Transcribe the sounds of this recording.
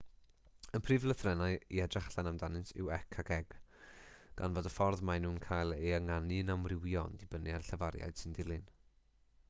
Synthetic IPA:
ənpʰrɨvlˠəθrɛnaɨḭɛdraχɬanamdanɪnsɪ̰wɛkʰaɡɛɡ̥ | ɡ̥a̰nvoːdəfɔrðmajnuːnkʰaːjlˠɛaŋanɨnamrɪwiɔndɪbənɨarɬəvaɾja̰ɨd̥sɪndɪlˠɨn

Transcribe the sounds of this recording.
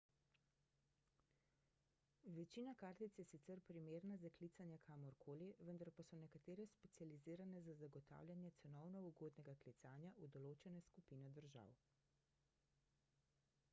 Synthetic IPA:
ʋɛt͡ʃiːnakaːɾt̪it̪sjɛsit̪sɛɾpɾimeːɾnazaklit̪sanjɛkʰaːmɔɾkʰoːliʋənd̪aɾpasɔnɛkat̪eːɾɛspɛt̪sializiːɾanɛzazaɡɔt̪a̰ːwljanjɛt̪sɛnɔwnɔuɡoːd̪nɛɡaklit̪saːnjaʔud̪ɔloːt͡ʃɛnɛskupiːnɛd̪əɾʒa̰w

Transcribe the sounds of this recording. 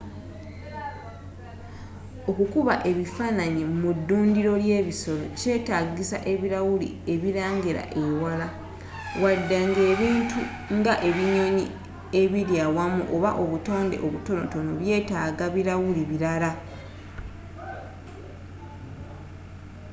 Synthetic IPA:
o̞kukuβaʔe̞βifanaɲemudːuːndiɾo̞lje̞ːβiso̞lo̞ce̞ːtaːɡisa̰ʔe̞βiɾawulḭ | e̞βiɾaːŋɡiɾa̰ʔewala | wadːaŋɡe̞ːβiːntu | ŋɡaʔe̞βiɲo̞ɲḭ | e̞βiɾjaːwamuʔoβaʔo̞βuto̞ːnde̞̰ʔo̞βuto̞no̞̰to̞noβje̞ːtaːɡaβiɾawuliβiɾala

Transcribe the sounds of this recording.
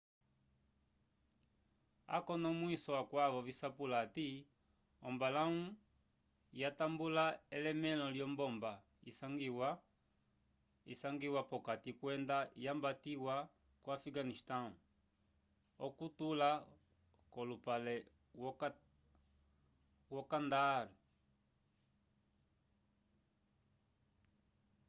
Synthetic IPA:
a̰kɔnɔmwisɔwakwaβɔvisapulati | ɔmbalau | jatambulaɛlɛmɛlɔljɔmbɔmba | isaŋɡiwa | ḭsaŋɡiwapɔkatikwɛndajambatiwa | kwafiɡanistau | ɔkutula | kɔlupalɛ | wɔkandaɾi

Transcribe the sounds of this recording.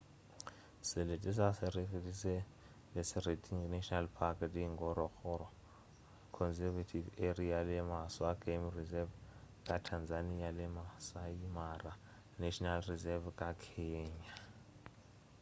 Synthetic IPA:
sɪletʼɪs̬asɪɾeretʼisɛ | lɪsɪretʰʼiŋnaʃɔnalpʰakʼɛtʼiŋɡɔɾɔxʰɔɾɔ | kʰɔnsɛvatʰiverialɪmaswaɡʼemrizɛvkʼatʰanzanialɪmasaimara | naʃʰʼɔnalrizɛvkʼakʰɛɲa

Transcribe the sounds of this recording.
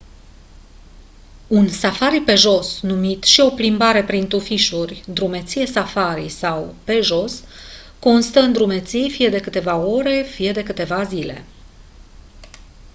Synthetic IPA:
unsafaɾipe̞ʒo̞snumit̪ʃio̞plimbaɾe̞pɾint̪ufiʃurʲd̪ɾume̞t̪sije̞safaɾisawpe̞ʒo̞s | ko̞nst̪əɨnd̪ɾume̞t̪sijfije̞d̪e̞kɨt̪e̞vao̞ɾe̞fije̞d̪e̞kɨt̪e̞vazile̞̰

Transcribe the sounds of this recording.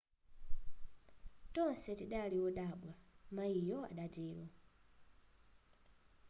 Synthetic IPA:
tɔnsɛtiɗaliwɔɗaɓwamaijɔa̰ɗad͡ʒiːɾɔ

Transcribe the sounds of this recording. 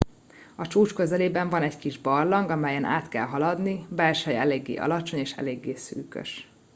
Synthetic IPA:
ɒt͡ʃuːt͡ʃkøzɛleːbɛɱvɒnɛɟkiʒbɒrlɒŋɡɒmɛjɛna̰ːt̪kɛ̰lɦɒlɒd̪nibɛlʃɛjɛleːɡːḛːʔɒ̰lɒt͡ʃo̞ɲeːʃɛ̰leːɡːeːsy̰ːkø̰ʃ

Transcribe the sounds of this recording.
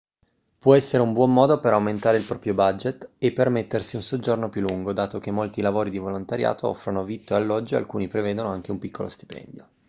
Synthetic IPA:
pwɔɛsːeɾeumbwɔmːɔːd̪opeɾawment̪aːɾeilpɾɔːpɾjobad͡ʒet̪ːepːermet̪ːersiunsod͡ʒornopjulːuŋɡod̪aːt̪ok̟emːolt̪ilavoːɾid̪ivolont̪aɾja̰ːt̪oɔ̰fɾanovit̪ːoealːɔd͡ʒːoa̰lkuːnipɾeveːd̪onoaŋk̟eumpikʰːolost̪i̥pɛ̰nd̪jo

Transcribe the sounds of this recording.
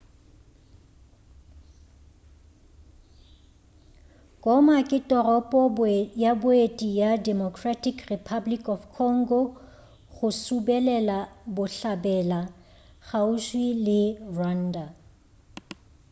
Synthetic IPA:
kʼɔmakʼɪtʼɔrɔpʼɔjabʊetʼijadɛmɔkʰratʰʼikʰripʰablikʼɔfkʰɔŋ̩ɡɔ | ɣʊsubɛlɛlabʊɬabɛla | ɣauʃwilɪrwan̩ːda

